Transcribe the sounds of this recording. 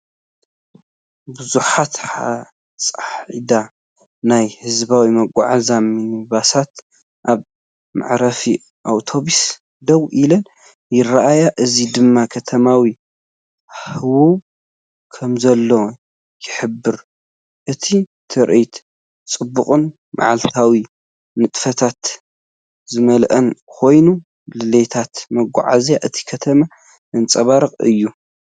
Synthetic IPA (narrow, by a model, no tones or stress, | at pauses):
bɨzuħat̪ħa | sʼaħʕid̪a | najhɨzbawimɐɡʷʼa̰ʕazaminiβasat̪ | ʔaβ | ma̰ʕɾɐfi | ʔawt̪ʰo̞βis | d̪ɐwʔilɐn | jɪraʔajaʔɨzid̪ɨmːakʰɐt̪ʰɐmawi | ħɨwuβ | kʰɐmzɐlːo | jɪħɨbːɨɾ | ʔɨt̪ʰit̪ʰɨɾʔit̪ | t͡sʼɨbːuχʼun | ma̰ʕalt̪ʰawi | nɨt̪ʼfɐt̪ʰat̪ | zɨmɐlʔɐnkʰo̞jnu | lɨlet̪ʰat̪mɐɡʷa̰ʕa̰zjaʔɨt̪ʰi̥kʰɐt̪ʰɐma | ʔɨnt͡sʼɐβaɾɨqʼɨ̰jːu